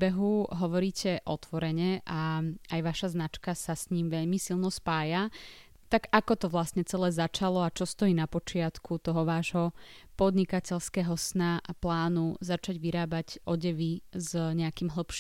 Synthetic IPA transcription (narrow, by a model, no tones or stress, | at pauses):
bɛɦuɦɔʋɔɾiːcʰɛʔɔt̪ʋɔɾɛɲɛʔaajʋaʃaznat͡ʃkasasɲiːmʋɛʎmisilˠnɔspaːja | t̪aɡakɔt̪ɔʋlasɲɛt͡sɛlɛːzat͡ʃalɔat͡ʃɔst̪ɔjiːnapɔt͡ʃɪat̪kʰut̪ɔɦɔʋaːʒɦɔ | pɔd̪ɲikacɛʎskɛːɦɔsnaplaːnuzat͡ʃaɟʋiɾaːbaɟɔɟɛʋizɲɛakiːmɦl̩pʃ